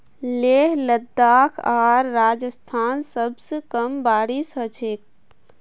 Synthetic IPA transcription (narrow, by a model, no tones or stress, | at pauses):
leɦləd̪aːkʰaːɾːaːd͡ʒəst̪ʰaːnsəbsekəmbaːɾisɦət͡ʃʰek̚